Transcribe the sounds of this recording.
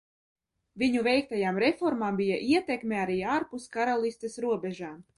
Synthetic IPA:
viɲuvɛjk̚t̪ajaːmɾefɔɾmaːmbijaʔiɛt̪ekmʲeaɾiːaːɾpuskaɾalˠist̪esɾuɔbʲɛʒaːm

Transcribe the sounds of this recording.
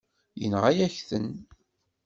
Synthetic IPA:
jə̰nʁæjæçθən

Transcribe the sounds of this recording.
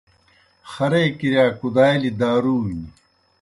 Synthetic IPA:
xɐɾeːkiɾjaːkud̪aːjlid̪aːɾuːmii

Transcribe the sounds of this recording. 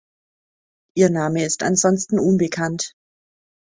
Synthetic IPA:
ʔiːɐnaːməɪsta̰nzɔnstn̩ʔuːnbəkʰant

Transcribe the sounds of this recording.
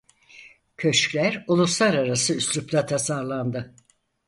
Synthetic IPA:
cʰøʃclʲæɾulˠuslˠaɾaɾasɯyslʲyplat̪ʰasaɾlˠand̪ɯ

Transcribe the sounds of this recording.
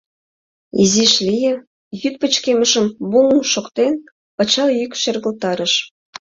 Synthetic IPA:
iziʃlʲijə̆ | jyt̪̚pə̆t͡ɕkemə̆ʃə̆mbuŋuʃokt̪en | pɑt͡ɕɑjykʲʃĕrɣə̆lt̪ɑɾə̆ʃ

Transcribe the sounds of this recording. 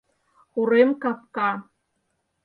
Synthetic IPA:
uɾemkɑskɑ

